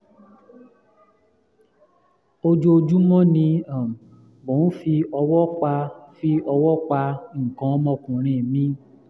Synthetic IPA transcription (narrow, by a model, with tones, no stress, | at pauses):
o˧d͡ʒo˧d͡ʒu˦mɔ̃˦nĩ˧ã˨ | bõ˨˦n̩˦fi˧ɔ˧wɔ˦k͡pa˧fi˧˦ɔ˧wɔ˦k͡pa˧ŋ̩˨kã˨˦mɔ̃˧kũ˨ɾ̃ĩ˨mĩ˦